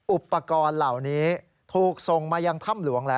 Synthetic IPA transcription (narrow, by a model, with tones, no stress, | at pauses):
ʔu˨˩pːa˧kɔː˧nla˨˩wniː˦˥ | t̪ʰuː˨˩k̚so˨˩ŋmaː˧ja˧ŋt̪ʰa˥˩mlu˨˩˦əŋlɛ˦˥